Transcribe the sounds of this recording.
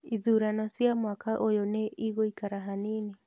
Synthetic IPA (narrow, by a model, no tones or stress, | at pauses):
iðuɾanɔsjamwakaʔojoneiɣoikaɾaɦanene